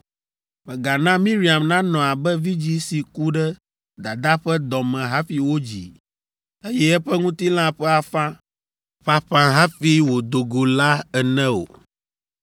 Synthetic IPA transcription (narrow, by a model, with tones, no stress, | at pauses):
mɛ̃˨ɡa˨nã˦mĩ˦ɾi˨a˨mnã˦nɔ̃˨a˨bɛ˦vi˦d͡ʑi˦si˨ku˦ɖɛ˦ | d̪a˨d̪a˦ɸɛ˦d̪ɔ̃˨mɛ̃˨ɦa˦fi˨wo˦d͡ʑḭ˨ | e˦jɛ˦ɛ˦ɸɛ˦ŋũ˦t̪i˦l̃ã˦ɸɛ˦a˨fã˦ | ɸa˨ɸã˨ɦa˦fi˦wo˨d̪o˨ɡo˨la˦ɛ˨nɛ̃˦o̰˨